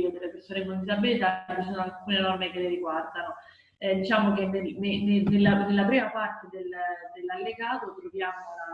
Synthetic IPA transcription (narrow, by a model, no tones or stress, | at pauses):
od̪elːepersoːnekond̪izabːilit̪at͡ʃisoːnoalkunenɔrmekelːeɾiɡward̪ano | ɛd̪it͡ʃaːmokenenenenːelːanelːapɾiːmapart̪ed̪eld̪elːalːeɡaːt̪ot̪ɾovjaːmoa